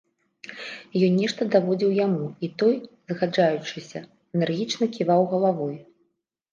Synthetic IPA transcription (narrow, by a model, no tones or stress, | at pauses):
jɔnʲnʲɛʂt̪ɐd̪avɔd͡zʲiwjamuit̪ɔjzɣad͡ʐajut͡ʂɨsʲɐ | ɛnɛrɣʲit͡ʂnɐkʲivawɣɐlˠavɔj